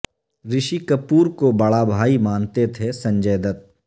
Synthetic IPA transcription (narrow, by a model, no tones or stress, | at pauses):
ɾɪʃikɐpuːɾkobɐɭabʱaːimaːnt̪et̪ʰesɐ̃ɲd͡ʒəːd̪ət̪̚